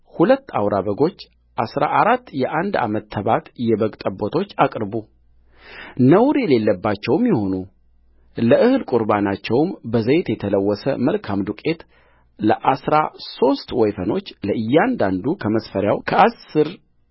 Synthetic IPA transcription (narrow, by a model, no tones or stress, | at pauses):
hulət̪ːawɾaβəɡo̞t͡ʃː | ʔasɾa̰ʔaɾat̪ːjɛʔand̪a̰mət̪ːʰəβat̪jɛβəɡt̪ʼəbːot̪ʰo̞t͡ʃːakʼɾbu | nəwɾɛle̞lːəbːat͡ʃːɛwmjɛho̞nu | ləʔɨhɨlkʼuɾbanat͡ʃːɛwmbəzəjt̪jɛt̪ʰələwːɔsəməlkʰamd̪ukʼe̞t̪ | ləʔasɾaso̞st̪wɛjfəno̞t͡ʃːləʔɨjːand̪and̪ukʰəməsfəɾjawkʰəasːɨɾ